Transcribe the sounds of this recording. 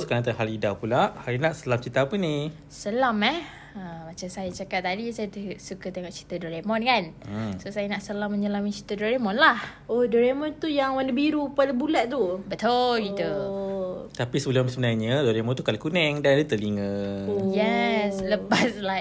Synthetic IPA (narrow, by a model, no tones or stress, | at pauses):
sukanat̪aɦalidapulaʔhaɾinaʔsəlamt͡ʃit̪aːpəni | səlamɛh | əmat͡ʃamsajat͡ʃakat̚t̪adisajat̪sukat̪eŋɔʔt͡ʃi̥t̪adɔɾemɔnkansosajanaʔsəlamːəɲəlamit͡ʃit̪adɔɾemɔnlahohdɔɾemɔnt̪ujaŋwanəbiɾupalabulat̪̚t̪ubət̪olɡit̪u | t̪apisəbəlʊmsəbənajɲədɔɾemɔ̃nt̪ukalakunɛŋdanalit̪əliŋəjɛsləpasla